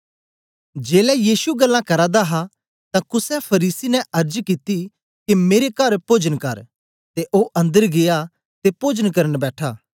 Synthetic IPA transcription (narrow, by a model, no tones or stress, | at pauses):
d͡ʒeːlɛjiːsuɡɐlːãkɐɾad̪aɦa | t̪ãkʊsɛpʰɐɾiːsinɛ̃ɐɾd͡ʒkit̪i | kimeːɾekɐɾpoːd͡ʒənkɐ̰ɾ | t̪eʔoːʔɐ̃nd̪əɾɡeja | t̪epoːd͡ʒənkɐɾənbɛːʈʰaː